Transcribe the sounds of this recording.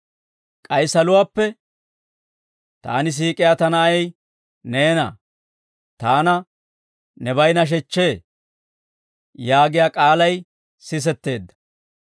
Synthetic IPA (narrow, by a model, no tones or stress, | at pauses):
kʼɐjsɐlʊwaːpːɛ | t̪a̰ːnɪs̬iːkʼɪjaːt̪ɐnɐɐj | neːnɐ̰ | t̪aːnɐ | nɛbɐjnɐʃ̬ɛt͡ʃːe̞ː | jaːɡɪjaːkʼaːlɐj | sɪs̬ɛt̪ːe̞ːd̪ːɐ̥